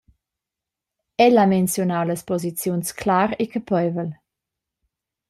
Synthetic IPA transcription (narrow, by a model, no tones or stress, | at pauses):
ɛlamɛnsjɔnawləspɔzit͡sjunskʰlaɾekəpɔjvəl